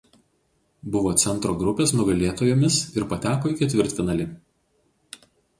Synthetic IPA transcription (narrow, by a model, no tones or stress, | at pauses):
bʊʋoːt̪sʲɛnˑt̪ɾoːɡɾʊpʲeːsnʊɡɐlʲeːt̪oːjoːmʲɪsɪɾpɐt̪ʲæːkoːɪkʲɛt̪ʲʋʲɪɾʲˑt̪ʲfʲɪnɐlʲɪ